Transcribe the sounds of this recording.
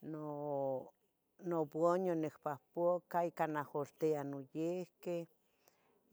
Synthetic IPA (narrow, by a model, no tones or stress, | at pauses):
no | noboɲonekpahpokaikanaholt̪eanojehke